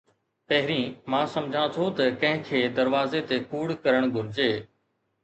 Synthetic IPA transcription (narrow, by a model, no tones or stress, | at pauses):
pɐɦɪɾĩːmãːsɐmd͡ʑʱãt̪ʰot̪ɐkɐ̃ɦɪ̃kʰeːd̪ɐɾʋaːzet̪ekuːɽkɐɾəɽ̃ɡʱʊɾɪd͡ʑeː